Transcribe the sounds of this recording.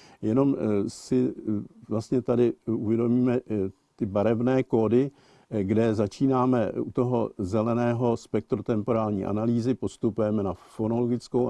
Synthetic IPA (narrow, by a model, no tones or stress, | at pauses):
jɛno̞msɪvlast̪ɲɛt̪adɪuvjɛdo̞miːmɛ | t̪ɪbaɾɛvnɛːko̞ːdɪ | ɡdɛzat͡ʃiːnaːmɛut̪o̞ɦozɛlɛnɛːɦo̞spɛk̚t̪ɾot̪ɛmpo̞ɾaːlɲḭːʔa̰naliːzɪpo̞st̪upujɛmɛnafonoloɡɪt͡skow